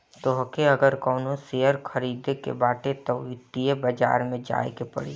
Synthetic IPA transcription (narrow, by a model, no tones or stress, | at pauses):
t̪oɦkeɐɡəɾkɔːnõseːəɾkʰəɾiːd̪ekḛbaːʈet̪ɔʋɪt̪iebɐd͡ʒa̰ːɾmẽd͡ʒa̰ːekepɐ̰ɽ̤i